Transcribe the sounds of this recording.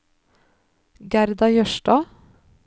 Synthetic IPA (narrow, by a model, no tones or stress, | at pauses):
ɡæɾd̪ɑjœʃʈɑː